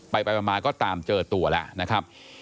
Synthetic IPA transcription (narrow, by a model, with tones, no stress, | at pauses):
pa˧jpa˧jpa˧maː˧nkɔː˥˩t̪aː˧mt͡ɕɤː˧t̪u˧ɐlɛ̰˧˩ʔna˦˥kʰa˦˥p̚